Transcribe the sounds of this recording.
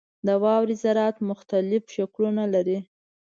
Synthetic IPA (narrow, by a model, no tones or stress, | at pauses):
d̪əwɑwɾizaɾɑt̪mʊxt̪alɪfʃaklunalaɾi